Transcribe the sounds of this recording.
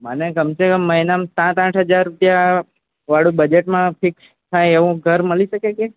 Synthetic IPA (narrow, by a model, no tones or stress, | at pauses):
məneɡəmt͡ʃʰekəmːəɦinamsãt̪ãʈʰɦəd͡ʒaɾːupja | ʋaɽũbəd͡ʒeʈmãpʰɪks | t̪ʰajeʋũɡʱəɾməliʃəkeke